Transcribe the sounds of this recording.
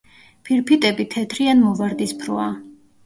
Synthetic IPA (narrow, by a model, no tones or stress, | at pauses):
pʰiɾpʰit̪ʼɛbit̪ʰɛt̪ʰɾianmɔvaɾd̪ispʰɾɔa